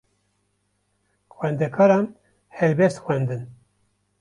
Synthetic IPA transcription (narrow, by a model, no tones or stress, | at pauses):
xwɛnd̪ɛkʰɑːɾɑːn | hɛlbɛst̪xwɛnd̪ɨn